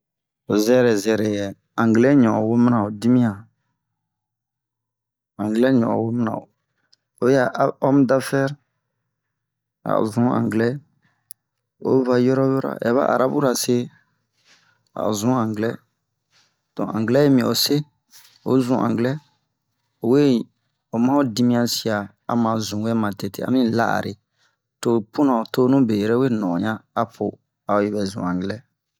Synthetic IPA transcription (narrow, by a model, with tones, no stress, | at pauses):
o˨zɛ˦ɾɛ˨zɛ˨ɾɛ˨jɛ˨ | ã˨ŋɡlɛ˦ɲɔ̃˨wo˦m˦nã˨o˨di˦mĩ˦ã˨ | ã˨ŋɡlɛ˦ɲɔ̰̃˨wo˦m˦nã̰˨o˨ | o˦ja˦ʔɔ˦m˦da˦fɛ˦ɾ | a̰˨zũ˦ã̰˨ŋɡlɛ˦ | o̰˦va˨jɔ˦ɾɔ˦wo˦ɾa̰˨ʔɛ˨˦βa̰˦a̰˨ɾa˦bu˦ɾa˨se˦ | a̰˨zũ˦ã˨ŋɡlɛ˦ | tɔ̰̃˨ã̰˨ŋɡlɛ˦e˦mĩ˨o˨se˦ | o̰˨˦zũ˨ʔã̰˨ŋɡlɛ˦ | o˨we˦˨ | o˨mã˦o˦di˦mĩ˦ã˨si˨a˨ | a˨mã˨zũ˨we˦mã˨te˨tḛ˦˨a̰˨mĩ˦la˦ʔa̰˨ɾʔe˨ | to˨pũ˦nã˨o˨to˦nũ˦be˨ɾɛ˦we˦nɔ̃˨ɲã˦a˦pʰo˨ | a˨o˨˦ji˨bɛ˨zṵ̃˨ã˨ŋɡlɛ˦